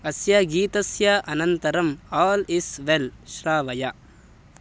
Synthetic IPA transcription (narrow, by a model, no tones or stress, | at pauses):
ɐsjaɡiːt̪ɐsjaʔɐnɐnt̪ɐɾɐmaːlisʋelʃɾaːʋɐja